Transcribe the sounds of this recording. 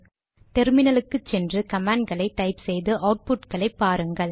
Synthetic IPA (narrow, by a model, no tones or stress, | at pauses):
t̪ɛɾmɪnɐlɯkːɯt͡ʃːɛndrɯkɐmaːɳɖɡɐɭɐɪʈːɐɪpsɛjðɯʔɐʊʈ̚pʊʈkɐɭɐɪpːaːɾɯŋɡɐɭ